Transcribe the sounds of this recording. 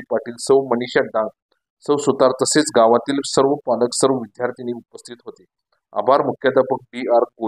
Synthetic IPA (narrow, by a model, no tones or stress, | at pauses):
paʈiːlsəʋməniɕaɖãŋɡ | səʋsut̪aɾt̪əset͡sɡaʋãt̪iːlsəɾʋəpaləksəɾʋəʋid̪jaɾt̪iniupəst̪ʰit̪ɦot̪e | a̰bʱaɾmukʰjad̪əpək̚ɖiaɾko